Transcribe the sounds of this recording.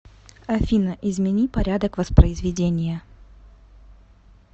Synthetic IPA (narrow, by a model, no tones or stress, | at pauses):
ɐfʲinəʔɪzmʲɪnʲipɐɾʲad̪əkvəspɾəɪzvʲɪdʲenʲɪjə